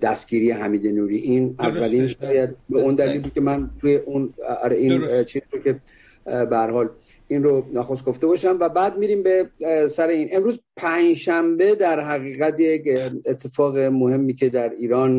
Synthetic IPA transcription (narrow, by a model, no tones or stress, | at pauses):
d̪̥æst̪ɡ̥iːɾijeɦæmiːd̪enuːɾiːʔinævːæliːnʃɒːjæd̪̚beund̪æliːlikʲe̞mænt̪ʰujeʔunɒ̰ɾeint͡ʃʰiːzɾokʲʰe̞ | behæɾhɒːl | inronæxost̪̚ɡ̥o̞ft̪e̞bɒːʃæmvæbæːd̪miɾiːmbe̞sæɾe̞iːne̞mɾuːzpʰæɲd͡ʒʃæmbe̞d̪æɾɦæɣiːɣæt̪jecet̪ʰːe̞fɒːɣemohe̞mːiːcʰe̞d̪æɾiːɾɒːn